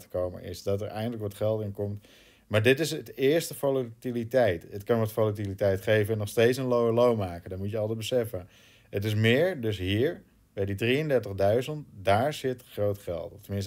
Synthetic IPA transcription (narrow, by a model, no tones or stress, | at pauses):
tə̥kowmə̰nɪ̰sdɔtəɹʔɛ̰jxəndələkʋɑtχɛlˠtɪnkɔmt | maːɹdɪtɪsətɪəɹstəfolətilitɛjtətkɑnʋɔtfolətilitɛjtχejvənɛnːɔχstejtsənlowəlowmaːkəndɔtmutjəɑlˠdəbəsɛfə | ətɪs̬mɪːɹdɵsɦiːɹ | bɛjdidriəndɛɹtəχdœɥzəntdaːɹz̥ɪtχrowtχɛ̰lˠtɔftəmɪns